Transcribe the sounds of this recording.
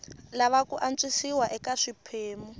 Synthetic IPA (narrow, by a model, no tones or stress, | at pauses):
laβakuʔant͡sʼisiwaʔɛkaʂipʰeːmu